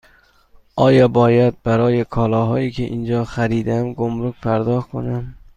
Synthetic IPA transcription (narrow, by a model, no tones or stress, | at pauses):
ɒjɒbɒjad̪̚baɾɒjɪkʰɒlɒɦɒjikʲʰeʔind͡ʒɒχaɾid̪amɡomɾʊk̚ʲpʰaɾd̪ɒhkʰo̰nam